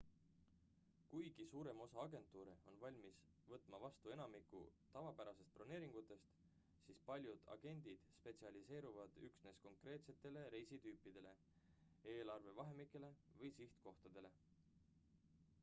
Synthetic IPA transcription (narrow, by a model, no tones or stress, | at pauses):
kujɡ̥isuːɾe̞mo̞sɑɑɡe̞nt̪ːˑuːɾeo̞nvɑlʲmis | vɤt̪ˑmɑvɑst̪ue̞nɑmikːˑṵt̪ɑvɑpæɾɑse̞st̪̚plɑne̞ːɾiŋɡ̥ut̪ːˑe̞st̪ | siːspɑlʲjud̪ɑ̰ɡ̥e̞nʲd̪̥id̪̥spe̞t̪siɑlise̞ːɾuvɑd̪̥yksne̞sko̞ŋkre̞ːt̪se̞t̪ːˑe̞le̞ɾe̞jsit̪yːpˑːid̪e̞le̞ | e̞ːlɑrve̞vɑɦe̞mikːˑe̞le̞vɤjsiht̪ko̞ht̪ɑd̪̥e̞le̞